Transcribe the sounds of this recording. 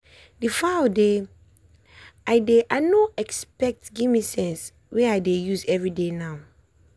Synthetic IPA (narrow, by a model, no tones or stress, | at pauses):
difaode | aɪdeʔanoɛkspɛk̚tɡimisɛ̃ns | weajdejusɛvɹidenaʊ